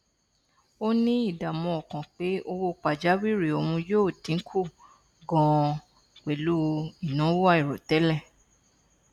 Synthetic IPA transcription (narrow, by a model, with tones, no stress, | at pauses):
o˦nĩ˦i˦˨da˨mɔ̃˧ɔ˨kɔ̃˨k͡pe˨˦o˧wo˧k͡pa˨d͡ʒa˨˦wi˦˨ɾi˨o˧˨wũ˧joː˦˨tĩ˨˦kʰu˦˨ | ɡɔ̃˧ | k͡pe˨lu˦˧i˨nã˨˦wo˦a˦i˨ɾɔ˨tɛ˨˦lɛ˦˨